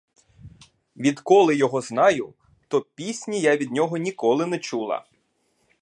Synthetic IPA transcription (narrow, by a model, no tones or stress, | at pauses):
ʋʲid̪kɔlˠɪjɔɦɔznɑjʊ | t̪ɔpʲisʲnʲijaʋʲid̪nʲɔɦɔnʲikɔlˠɪnɛt͡ʃulˠɐ̰